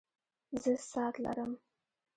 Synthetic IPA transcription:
zəsɑt̪la̰ɾəm

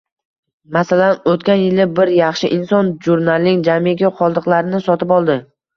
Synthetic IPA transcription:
masalanot̪kʲanjɪlɪbɪɾjɑχʃɪʔɪnsɒnʒuɾnalnɪŋd͡ʒameɡʲɪqʰɒlˠd̪ɨqlˠaɾɪnɪsɒt̪ʰɪpɒlˠd̪ɪ

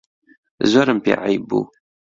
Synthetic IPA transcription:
zaɾəmpḭʕibṵ

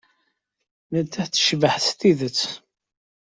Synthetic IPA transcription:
nət̪ːæθt͡sːə̥ʃvəħst̪iðət͡sː

